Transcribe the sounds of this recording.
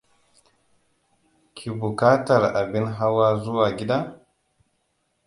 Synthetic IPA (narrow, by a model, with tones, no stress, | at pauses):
kʰi˨bu˨ka˦ta˨ɾa˨bi˦nɦa˦wa˦zu˦wa˨ɡʲi˦da˦